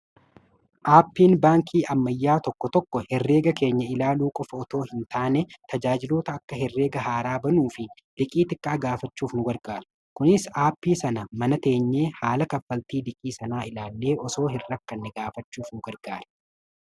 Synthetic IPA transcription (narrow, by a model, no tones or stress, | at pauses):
ʔaːpːiːnbaːŋkʰiːʔɐmːɐjːaːt̪ɔkːɔt̪ɔkːɔhɛrːe̞ːɡɐke̞ːɲːɐɪlaːluːkʼɔfɐɔt̪o̞ːhɪnt̪aːnɛt̪ɐd͡ʒaːd͡ʒɪlo̞ːt̪ɐːkːɐɦɛrːe̞ːɡɐɦaːɾaːbɐnuːfɪ | l̥ɪkʼiːt̪ɪkʼːaːɡaːfɐt͡ʃːuːfnʊɡɐɾɡaːɾɐ | kʊnɪsaːpːiːsɐnɐmɐnɐt̪e̞ːɲːeːhaːlɐkɐfːɐlt̪iːd̪ɪkʼiːsɐnaːɪlaːlːe̞ːʔɔso̞ːɦɪrːɐkːɐnːɛɡaːfɐt͡ʃːuːfnʊɡɐɾɡ̥aːɾɐ̥